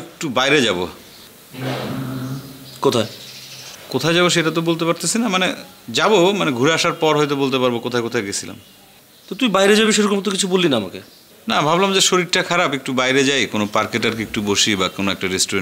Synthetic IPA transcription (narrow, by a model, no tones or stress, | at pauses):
ek̚ʈubajɾed͡ʑabo̰ | kot̪ʰae | kot̪ʰaed͡ʑaboʃ̬eʈat̪obolt̪̬epaɾt̪esinamane | d͡ʑabomaneɡʱuɾeaʃaɾpɔɾɦojt̪̬obolt̪̬epaɾbokot̪ʰaekot̪ʰajɡet͡ɕʰila̰m | t̪ot̪ujbajɾed͡ʑabeʃeɾokomt̪̬okit͡ɕʰubolːinaamake | nabʱablamd͡ʑeʃoɾiʈʈakʰaɾapek̚ʈubajɾed͡ʑajkonopaɾkeʈaɾkeek̚ʈuboʃibakonoɛk̚ʈaɾesʈoɾe